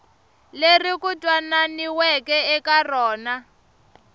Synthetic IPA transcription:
lerikutʼwananiwɛkɛɛkarɔːna

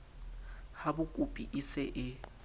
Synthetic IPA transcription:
habʊkʼupʼiʔisɛʔɪ

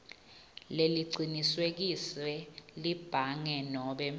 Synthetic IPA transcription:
leliǀʱiniswek̬isɛlib̥ʱaŋɛnɔːɓɛ

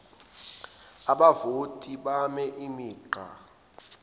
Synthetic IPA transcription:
aɓavotʼiɓamɛʔimiːǃa̰

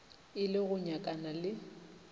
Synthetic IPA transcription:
ɪlɪɣʊɲakʼanalɪ

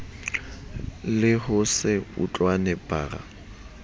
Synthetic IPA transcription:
lɪhʊsɪʊ̰t͡ɬʼwanɛpaːra̰

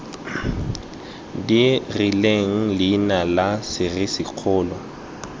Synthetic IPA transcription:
dirileŋ̩lɪnalasɪrɪsɪq͡χʰʊːlɔ

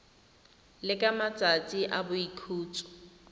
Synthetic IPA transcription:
lɪkʼamat͡sʼat͡sʼiʔabʊikʰuːt͡sʰʼɔ̥

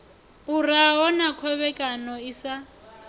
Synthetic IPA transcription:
uraɦɔnakʰɔβɛkʼanɔisa

